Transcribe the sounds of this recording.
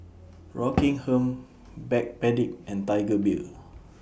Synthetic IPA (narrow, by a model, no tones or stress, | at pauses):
ɹɔkĩŋhə̃m | bɛk̚pɛdik̚ɛ̃ntajɡəbil